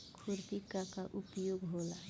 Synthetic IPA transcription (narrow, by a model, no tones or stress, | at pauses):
kʰuɾt̪ikakaʔupjoɡɦola